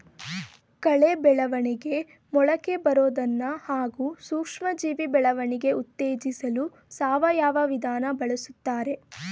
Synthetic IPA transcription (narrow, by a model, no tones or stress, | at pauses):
kɐɭebɛɭɐʋɐɳiɡe̞ | mɔɭɐke̞bɐɾoːd̪ɐnːɐhaːɡuːsuːkʂmɐd͡ʒiːʋibɛɭɐʋɐɳiɡe̞ut̪ːeːd͡ʒisɐlu | saːʋɐjaːʋɐʋid̪ʱaːnɐbɐɭɐsut̪ːaːɾe̞